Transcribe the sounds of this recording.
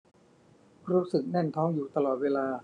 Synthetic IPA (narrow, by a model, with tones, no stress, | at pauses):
ɾuː˦˥sɯ˨˩k̚nɛ˥˩nt̪ʰɔː˦˥ŋjuː˨˩t̪a˧lɔː˨˩t̪̚weː˧laː˧